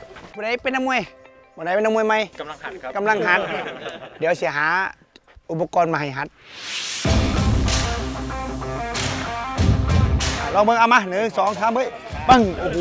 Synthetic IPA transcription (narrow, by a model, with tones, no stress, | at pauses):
buː˧˨da˧˦jpe˧nːaː˧mu˧ə˨jbu˧˨da˧˩jpe˧˨nːa˧mu˧ə˨jma˧jka˧˨mla˧˩ŋɦa˧˦t̪̚diː˨˦ə˦wsi˧˦əɦaː˨˦ | ʔu˧pbɔ˧kɔː˧˨nmaː˧˩ɦa˨˩jɦa˧˦t̪̚ | lɔː˧ŋbɤ˧˨ʔa˧wma˧nɯː˨˦sɔː˨˦ŋt̪ʰaː˧˦mbɤː˧˥˨ | ba˧˨ŋo˧˩˧